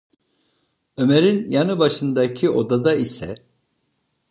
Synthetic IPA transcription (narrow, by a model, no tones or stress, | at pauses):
ø̞meɾinjanɯbaʃɯnd̪acʰio̞d̪ad̪aisɛ̰